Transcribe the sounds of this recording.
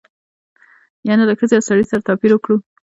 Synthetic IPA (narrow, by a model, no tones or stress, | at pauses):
jɑnaləxəzejawsaɽisaɾat̪ɑpiɾwəkɽu